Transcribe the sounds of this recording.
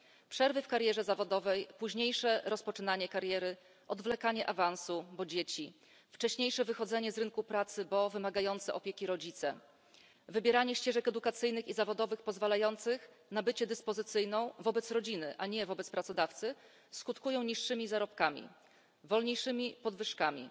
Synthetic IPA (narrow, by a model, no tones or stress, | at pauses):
pʂɛɾvɘfkaɾjɛʐɛzavɔd̪ɔvɛjpuʑɲejʂɛɾɔspɔt͡ʂɘnaɲɛkaɾjɛɾɘ | ʔɔd̪vlɛkaɲɛʔavansubɔd͡ʑet͡ɕi | ft͡ʂɛɕɲejʂɛvɘxɔd̪zɛɲɛzɾɘnkupɾat̪sɘbɔvɘmaɡajɔnt̪sɛʔɔpʲjekʲiɾɔd͡ʑit̪sɛ̰ | vɘbʲjɛɾaɲɛɕt͡ɕɛʐɛkɛd̪ukat̪sɘjnɘxizavɔd̪ɔvɘxpɔzvalajɔnt̪sɘx | nabɘt͡ɕɛd̪ɘspɔzɘt̪sɘjnɔ̃w̃vɔbɛt̪sɾɔd͡ʑinɘʔaɲɛvɔbɛt̪spɾat̪sɔd̪aft̪sɘ | skut̪kujɔ̃w̃ɲiʂːɘmʲizaɾɔpkamʲḭ | vɔlɲejʂɘmʲipɔd̪vɘʂkamʲḭ